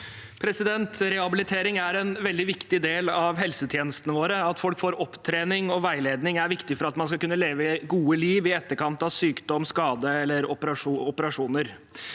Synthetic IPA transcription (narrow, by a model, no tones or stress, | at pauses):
pʰɾɛsɪd̪ɛnt̪ɾɛhɑbɪlɪt̪ʰeːɾɪŋæɾɛnʋɛld̪ɪʋɪkt̪ɪd̪eːlɑʋɦɛlsət̪ʰjeːnəst̪ənəʋoːɾəɑt̪fɔlkfoːɾɔpt̪ʰɾeːnɪŋɔʋæɪleːd̪nɪŋæɾʋɪkt̪ɪfɔɾɑt̪mɑnskɑkʉnːəleːʋəɡuːəliːʋɪɛt̪ːəɾkʰɑnt̪ɑʋsyːkd̪ɔmːskɑːd̪əɛlːəɾɔpəɾɑʂuɔpəɾɑʂuːnəɾ